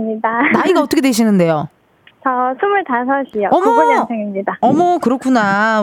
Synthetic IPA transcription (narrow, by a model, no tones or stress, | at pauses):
mɲidanaiɡaʌt͈ʌkʰetweɕ̬ʰinɯnde̞jo | t͡ɕʌsʰumɯɭtasʰʌɕʰijoʌmʌɡoasʰeŋimɲidaʌmʌkɯɾʌk͈ʰuna